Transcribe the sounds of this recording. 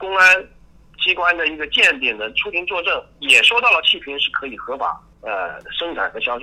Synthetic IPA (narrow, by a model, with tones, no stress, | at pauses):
kʊ˥ŋa˥n | t͡ɕi˥kwa˥nd̪ə˨i˧˥ɡə˧t͡ɕjɛ˥˩nt̪̬jɛ˨˩nd̪ə˦ʈ͡ʂʰu˥pʰi˧˥ŋt͡swɔ˥˧ʈ͡ʂɤ˥˩ŋ | jɛ˨˩ʂwɔ˥t̪ɑ˥˩ʊlə˩t͡ɕʰi˥˩pʰi˧˥nʂɻ̩˥˩kʰɤ˧˥i˨˩xɤ˧˥fa̰˨˩˦ | ə˧ʂɤ˥ŋt͡sʰa˨˩xɤ˧˥ɕjɑ˥ʊʂʰ